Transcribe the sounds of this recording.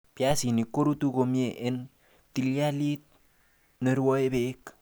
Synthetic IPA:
pja˦si˨ni˨kːo˦ɾu˦t̪u˦ko˨˧mje˨ʔe˦n | t̪i˧lja˦li˦t̪̚ | ne˨ɾwɔ˦e˦be˦k

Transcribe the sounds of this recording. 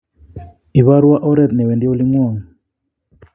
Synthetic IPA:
i˨βa˦ɾwa˦ʔɔ˦ɾɛ˦˨t̪̚nɛ˨wɛ˨ndi˦o˦li˦ŋwɔ˦˨ŋ

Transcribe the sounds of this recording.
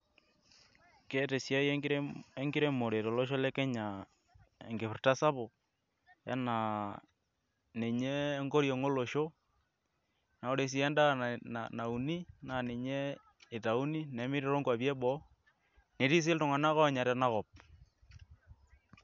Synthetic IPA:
ke˦te˨sja˦je˦ŋɡɪ˦ɾe˦mo˨ɾe˨to˨lɔ˦ʃ̬ɔ˦lɛ˦kɛ˦ɲa˨ | ḛ˨ŋɡe˨pɪ˨rta˦sa˦pɔ˨ | ɛ̰˦na˨ | ne˨ɲe˦ŋɡo˦ɾjɔ˨ŋo˦lo˨ʃo˦ | na˨o˦ɾe˨s̬i˨˦ɛ˦nda˦na̰˨na˨u˨ni˦na˨ne˨ɲe˦ | ɪ˨ta˨u˦ni˦nɛ˨˦mɪ˦ɾi˦ɾo˦ŋkwa˨pjɛ˦bɔ˨˦ | ne˨ɾi˦s̬ɪ˦ltʊ˨ŋa˨na˦kɔ˦a˨ɲa˨ɾɛ˨na˦kɔ˨p̚

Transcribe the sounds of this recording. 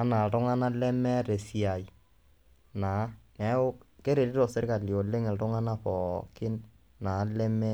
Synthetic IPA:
a˦na˨tɔ˦ŋa˦na˦lɛ˦mɛ˦ɾe˨sia˨i˨ | na˨˦na˨˦o˦ke˦ɾe˨ɾi˦tɔ˨se˦ɾka˨ljo˨le˦ŋɛ˨ltɔ˦ŋa˦na˦pɔ˨kɪ˦n | na˨˦lɛ˦mɛ˦

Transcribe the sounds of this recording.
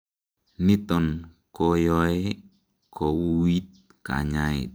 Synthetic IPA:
ni˦tɔ˨n | ko˦jɔ˦e˦ | kʰo˨wu˦wi˦t̚ | ka̰˨ɲa˦ḭ˨t̚

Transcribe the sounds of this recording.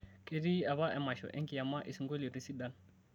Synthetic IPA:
kʼe˦di˦a˨βa˦ʔɛ˨ma˨ʃɔ̰˨ʔɛ̰˦ŋkɪ˨ja˨ma˦ʔi˨si˦ŋɡo˦li˨ɾi˦si˦da˦n

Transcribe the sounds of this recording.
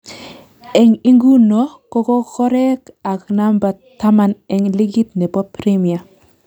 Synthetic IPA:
ɛ˨ŋi˦ŋɡu˦nɔ˨˦kɔ˦kɔ˦kɔ˦ɾɛ˦ka˨kna˦mba˨tːa˦ma˨nɛ˨ŋli˦ɡi˦tnɛ˨bɔ˦pɾe˦mi˨a˨

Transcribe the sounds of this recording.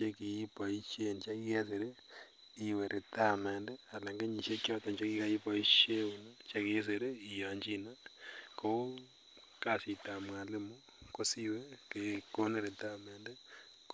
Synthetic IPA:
t͡ʃe˦ki˨ji˦pa˨i˦ʃe˦nt͡ʃa˦ki˦ke˦s̬e˨ɾe˦ | i˨we˨ɾʔe˨ta˦me˨nde˦a˨la˨ŋɡe˦ɲi˨ʃe˦kjɔ˦tɔ˨ɲt͡ʃa˦ki˦ka˦i˦pa˨i˦ʃe˦u˨na˦t͡ʃa˦kie˦s̬e˨ɾe˦i˨ja˨ɲd͡ʒi˦nako˦ | ka˦si˨ta˨mwa˨le˦mo | ko˦si˦we˦keko˦ne˦ɾe˨ta˦meːnde | k

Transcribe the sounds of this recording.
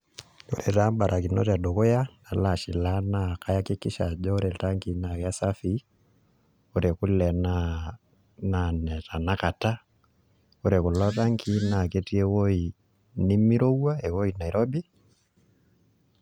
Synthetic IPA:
o˦ɾɛ˨ta˦mba˨ɾʔa˨ki˨nɔ̰˦ta˨ɗɔ˨kɔ˦ja˦na˨la˨ʃi˨la˦na˦˨ka˦ja˦ke˦ki˦ʃa˨ʄɔ˦ɔ˦ɾɛ˨ta˦ŋki˨˦na˨ka˦sa˦fi˦ | o˦ɾɛ˨ku˦lɛ˨na˦ | na˨nɛ˨ta˨na˦ka˨ta˦ | o˦ɾɛ˨ku˨lɔ˦ta˦ŋkʰi˦na˨kɛ˦ti˦ɛ˦wo˦i˨ | ni˦mi˦ɾo˦wa˦ɛ˨wo˦i˨na˨i˨ɾɔ˦bi˦

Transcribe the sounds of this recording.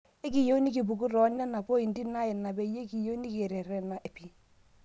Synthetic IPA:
e˦ki˨jo˦ni˦k̬i˨p̬u˨ku˦ɾɔ˨˦nɛ˦na˨po˦i˨n˦di˦na˦jɪ˨na˨be˨˦je˦ki˨jo˦ni˦ke˨ɾɛ˨ɾɛ˨na˨ʔe˨pi˨

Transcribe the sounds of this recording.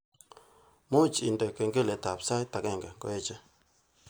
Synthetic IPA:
mo˦t͡ʃi˨ndɛ˨ke˨ŋɡe˦le˨˦ta˨psa˦ta˨kɛ˦˨ŋɡa˨ŋkɔ̰˦e˦t͡ʃɛ˦

